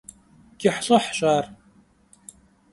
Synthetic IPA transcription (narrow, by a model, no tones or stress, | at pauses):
ɡ̥ʲɪħɬʼɐħɕʼaːr